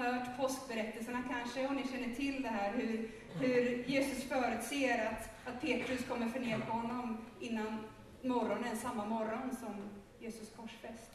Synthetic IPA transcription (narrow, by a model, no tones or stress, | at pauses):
hœːʈpʰɔsk̚bɛɾɛt̪ːəlsəɳakʰanʂəɔmnɪɕɛnːəʈʰɪld̪ɛɦæːɾhɵɾ | hɵɾjeːsɵsfœːɾʉ̟ːt̪seːɾat̪ | at̪̚pʰeːt̪ɾɵskʰɔmːəɾfœɳeːpʰahɔnːɔmɪnːan | mɔɾɔnənsamːamɔɾɔnsɔm | jeːsɵskʰɔʂfɛst̪